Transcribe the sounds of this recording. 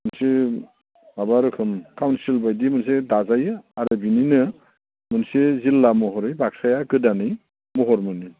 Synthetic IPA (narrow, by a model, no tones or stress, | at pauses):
mɯnse | abaɾɯkʰɯmkawnsilbajdimɯns̬edazajɯaɾɯbininɯ | mɯnsezilːamɔɦɔɾɯjbak̚sajakɯdanɯj | mɔɦɔɾmɯni